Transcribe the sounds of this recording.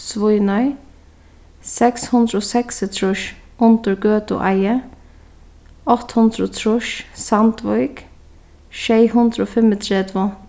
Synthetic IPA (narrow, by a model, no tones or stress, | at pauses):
sʋʊʏnɔʏ | sɛkshʊnd̪ɾəoːsɛksɪt̪ʰɹʊʃʊnt̪əɹɡøːt̪ʊ̰ʔɑɪə | ɔt̪hʊnd̪ɾoːt̪ʰɾʊʃsɑnt̪ʋɔʏɡ̥ | ʃeɪhʊnd̪ɾəoːfɛmət̪ʰɾeːd̪ʋo